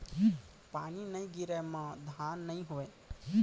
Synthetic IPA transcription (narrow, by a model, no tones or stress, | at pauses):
paninəjɡiɾəmãd̪ʱanːəĩɦoe